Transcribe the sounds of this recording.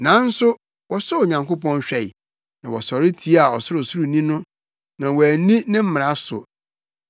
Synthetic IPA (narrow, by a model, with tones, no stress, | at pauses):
nã˨˦n̩˦sʊ˦ | wɔ˨sɔ˦o˨ɲã˨ŋko˦pɔ̃˦n˦ɕᶣɛ˨ɪ˨ | nã˨wɔ˨sɔ˨ɾɪ˦tʰi˦a˨ɔ˨sʊ˦ɾʊ˨su˦ɾu˨nĩ˦nʊ̃˦ | nã˨wɔ˨æ˨nĩ˦nɪ̃˦m̩˦m˨a˦sʊ̰˨